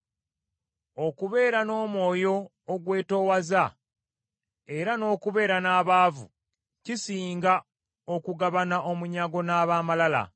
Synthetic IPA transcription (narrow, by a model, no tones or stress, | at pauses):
o̞kuβe̞ːɾano̞ːmwo̞ːjo̞ː | ɡwe̞ːto̞ːwaza | e̞ɾano̞ːkuβe̞ːɾanaːβaːvṵ | cisiːŋɡa | o̞kuɡaβanaʔo̞muɲaɡo̞naːβaːmalala̰